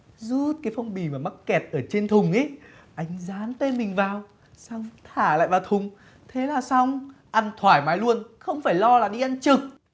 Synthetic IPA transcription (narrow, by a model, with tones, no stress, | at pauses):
zu˦˥t̚kaː˨˦jfɔ˧wŋ͡mɓi˨˩maː˨˩ma˦˥t̚kɛ˨˩t̚ʔəː˧˩t͡ɕe˧nt̪ʰʊ˨˩ŋ͡mʔe˨˦ʔa˨˦jŋ̟zaː˨˦nt̪e˧nmï˨˩ŋ̟vaː˨˩w | saː˧wt̪ʰaː˧˩la̰ː˧˨jvaː˨˩wt̪ʰʊ˨˩ŋ͡m | t̪ʰe˨˦laː˨˩sa˧wŋ͡mʔa˧nt̪ʰwaː˧˩jmaː˨˦jlu˧ənxə˧wŋ͡mfaː˧˩jlɔ˧laː˨˩ɗi˧ʔa˧nt͡ɕɨ˨˩k̚